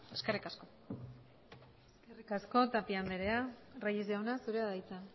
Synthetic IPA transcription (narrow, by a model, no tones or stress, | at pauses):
eskerikasko̞ | serikasko̞t̪apiand̪eɾe̞arajezeonasuɾe̞aðajt͡sa